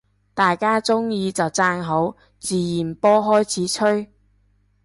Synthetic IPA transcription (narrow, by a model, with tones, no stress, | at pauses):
t̪aː˨jkaː˥t͡sʊ˥ŋjiː˧t͡sɐ˨wt͡saː˧nɦo˨˥w | t͡siː˨jiː˨˩npɔː˥ɦɔː˥jt͡sʰiː˨˥t͡ʃʰɵ˥ɥ